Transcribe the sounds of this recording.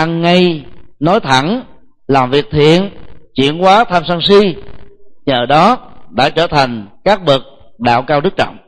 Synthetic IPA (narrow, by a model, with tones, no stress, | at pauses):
ʔa˧ŋːa˧jnɔ˨˦jt̪ʰa˧˩n | laː˨˩mvi˨˩ək̚t̪ʰḭ˧˨ənt͡ɕwḭ˧˨ənkwaː˨˦t̪ʰaː˧msaː˧ŋsi˧ | ɲəː˨˩ɗɔ˨˦ɗa̰ː˧˥t͡ɕəː˧˩t̪ʰa˨˩jŋ̟kaː˦˥k̚ɓə˨˩k̚ | ɗa̰ː˧˨wkaː˧wɗɨ˦˥k̚t͡ɕɔ̰˧˨wŋ͡m